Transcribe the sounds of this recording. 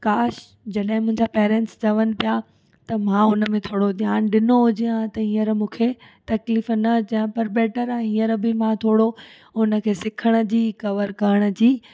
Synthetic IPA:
kaːʃ | d͡ʑɐɗɦɪ̃mʊ̃ɦɪ̃ɲd͡ʑapeːɾẽɳʈsd͡ʑɐʋənɪ̆pija | t̪ɐmãʊnəmẽt̪ʰoːɽod̪ʱjaːnɗɪnoɦʊd͡ʑiãt̪ɐɦĩːəɾmũːkʰet̪ɐkliːfnɐd͡ʑɐə̃pɐɾbeːʈəɾãɦĩːəɾbɪmãt̪ʰoːɽo | ʊnə̆kʰeːsɪkʰəɽ̃ə̆d͡ʑiːkɐʋəɾkɐɾəɽ̃ə̆d͡ʑiː

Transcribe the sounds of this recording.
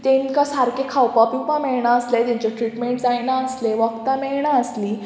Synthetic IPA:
t̪ẽnkasaɾkekʰawpapipãmɛɭɳaəslet̪jaɲt͡ɕaʈɾiʈmeɳʈd͡zajnaəsleʋəkt̪amɛɭɳaəsliː

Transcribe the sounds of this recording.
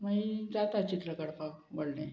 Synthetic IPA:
maid͡zat̪at͡ɕit̪ɾəkəɽpaboɽne

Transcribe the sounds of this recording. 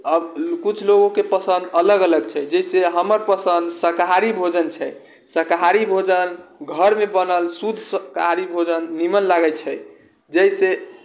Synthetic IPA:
əbkut͡ʃʰloɡõkepəsə̃nd̪ələɡələɡ̚t͡ʃʰɛd͡ʒəjseɦəməɾpəsə̃nd̪səkɦaɾibʱod͡ʒənt͡ʃʰɛ | səkɦaɾibʱod͡ʒənɡʱəɾmebənəlsud̪ʱsəkɦaɾibʱod͡ʒənːimənlaɡət͡ʃʰɛ | d͡ʒəjse

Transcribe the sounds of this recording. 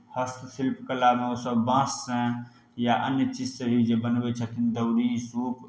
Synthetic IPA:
həst̪silpkəlameosəbbãːssə̃ | jaʔə̰njət͡ʃid͡ʒsəɦid͡ʒebənbet͡ʃʰət̪ʰind̪əwɾisuːp

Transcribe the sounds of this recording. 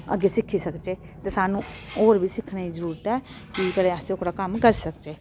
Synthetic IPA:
ə̰ɡːeːsɪkʰːiːsəkd͡ʒeː | t̪eːsaːnũoːɾbʱiːsɪkʰneːizəɾuːɾət̪ɛː | kikəleːəseʊkʰɽaːkəmkəɾsəkd͡ʒeː

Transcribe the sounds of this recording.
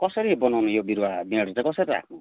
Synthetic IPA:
kɔsʌɾibɔnawnujobiɾuabiaɽt͡sãj̃kɔsʌɾiɾa̰kʰnu

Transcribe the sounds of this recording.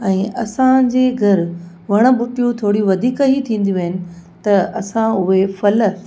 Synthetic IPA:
ɛ̃ːʔɐsãd͡ʑeːɡʱɐɾ | ʋɐɽ̃ə̆bʊʈijũt̪ʰoːɽijũʋɐd̪ʱiːkit̪ʰĩːn̆d̪iʋɐɦɪnɪ̆t̪ɐɐsãʊɦefɐlə

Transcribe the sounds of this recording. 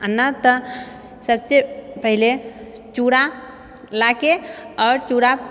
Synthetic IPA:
ənːət̪ə | səbsepəɦile | t͡ʃuɽa | lakeɔːɾt͡ʃuɽa

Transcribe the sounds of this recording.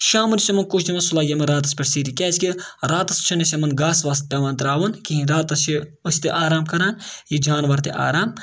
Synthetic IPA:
ʃaːmɐɾisɐmɐnkut͡ʃʰd̪imɐsulaːjʲɐmɐɾaːt̪̬ɐspʲɐʈsiːɾikɛːt͡ʃkiɾaːt̪ɐst͡ʃʰɐnesʲɐmɐnɡaːsʋaːst̪̚pʲɛːʋãːnt̪ɾaːʋɐnkiɦĩɾaːt̪ɐsiusʲt̪eʔaːɾaːmkɐɾaːnjid͡ʒaːnʋɐɾt̪eʔa̰ːɾaːm

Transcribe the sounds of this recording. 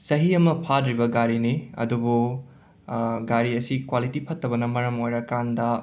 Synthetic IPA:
sɐɦiɐmɐpʰadɾibɐɡaɾiniɐ̰dubu | ɡaɾiɐsikwalitipʰɐtʰːɐbɐnɐmɐɾɐmojɾɐkandɐ

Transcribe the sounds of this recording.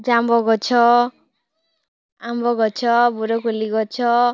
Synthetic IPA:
d͡zambɔɡɔt͡ʃʰɔ | ambɔɡɔt͡ʃʰɔbuɾɔkoliɡɔt͡ʃʰɔ

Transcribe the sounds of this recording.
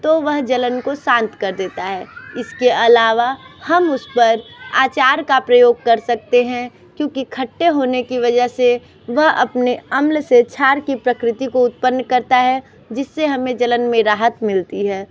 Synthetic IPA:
t̪oʋɐɦd͡ʒɐlənkosãːnt̪kɐɾd̪eːt̪aɦɛːɪskeɐlaːʋahɐmʊspɐɾaːt͡ʃaːɾkapɾɐjoːɡ̚kɐɾsɐk̚t̪eɦɛ̃ | kjõːkikʰɐʈːeɦoːnekiʋɐd͡ʒəɦse | ʋɐɦɐ̰pneɐmlset͡ʃʰaːɾkipɾɐkɾɪt̪ikoʊt̪̚pənːkɐɾt̪aɦɛ | d͡ʒɪsːeɦɐmẽd͡ʒɐlənmẽɾaːɦət̪mɪlt̪iɦɛː

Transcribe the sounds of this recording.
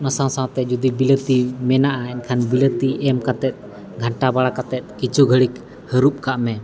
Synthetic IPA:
nasãwsãwt̪ɛd͡ʒud̪ibilət̪imɛnaʔainkʰanbilət̪iʔɛmkat̪ɛt̪̚ | ɡʱaɳʈabaɽakat̪ɛt̪̚ˀkit͡ʃʰuɡʱəɽik | həɾup̚kaʔmɛ

